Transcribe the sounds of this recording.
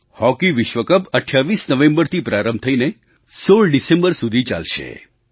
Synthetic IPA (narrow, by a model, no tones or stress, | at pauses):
hɔkiʋɪʃʋəkəpəʈʰjaʋisnəʋẽmbəɾt̪ʰipɾaɾəmb̚t̪ʰəine | soɭɖisẽmbəɾsud̪ʱit͡ʃa̰lʃḛ